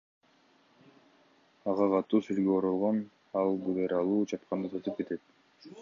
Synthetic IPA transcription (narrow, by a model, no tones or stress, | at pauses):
ɑʁɑqɑt̪ːuːsylɡeoɾolˠʁon | ɑlˠbulˠeɾɑlˠuːd͡ʒɑp̪̚qɑnd̪ɯt̪ʰɯt̪ɯp̚ke̞t̪e̞t̪̚